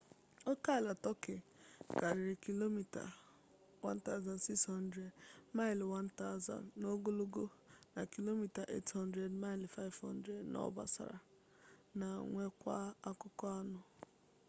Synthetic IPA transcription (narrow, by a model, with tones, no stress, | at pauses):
o˦ka˦˨la˨tɔ˦kɪ˨ka˨ɾɪ˨ɾɪ˨ki˦lo˦mi˨ta̰˨ | wa˦n̩˦ta˦ʊ˦za˨n˨si˦kshɔ˦n̩˦dɾe˨dma˦ɪ˨lwa˦n̩˦ta˦ʊ˦za̰˨nː˨o˦ɡo˦lo˦ɡo˦na˨ki˦lo˦mi˨ta˨ʔḛ˦tɦɔ˦n̩˦dɾe˨dma˦ɪ˨lfa˦ɪ˦vhɔ̰˦n̩˦dɾe˨dnʔɔ̰˦ba̰˨sa̰˨ɾa̰˨ | na˨ŋʷe˦kʷa̰˦a˦kʊ˦kɔ˦a˦nʊ˨